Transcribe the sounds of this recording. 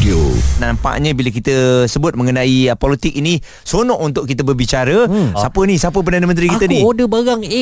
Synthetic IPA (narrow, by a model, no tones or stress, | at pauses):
onampa̰ʔɲə̃bilək̬it̪əsəbʊt̪̚mə̃ŋənãipolit̪ɪk̚inĩ | sonɔʔunt̪ʊʔ̚kit̪əbərbit͡ʃaɾəsapənisapəp̬ərdanəmə̃nt̪̬ɾikit̪əniodəbaɡaŋ